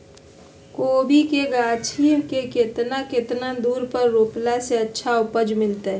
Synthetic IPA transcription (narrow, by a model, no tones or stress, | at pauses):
koːbʱikeɡat͡ʃʰikeket̪naket̪nad̪uːɾpəɾːoːplaseətːʃʰaʊpəd͡ʒmɪlt̪eɦ